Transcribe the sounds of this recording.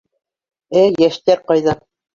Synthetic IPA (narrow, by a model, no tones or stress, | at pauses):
æjæʃt̪æɾqɑjðɑ